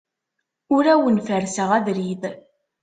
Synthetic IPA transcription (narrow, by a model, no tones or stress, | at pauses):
ʊɾæwənfəɾsəʁæðɾið